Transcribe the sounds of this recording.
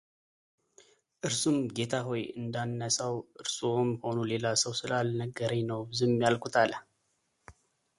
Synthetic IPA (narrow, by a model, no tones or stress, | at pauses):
ʔɨɾsumɡe̞t̪ʰaɦo̞jɨ̰nd̪anːəsawʔɨɾsomho̞nule̞lasəwsɨlalnəɡəɾəɲnəwbɨzumjalkʰut̪ʰal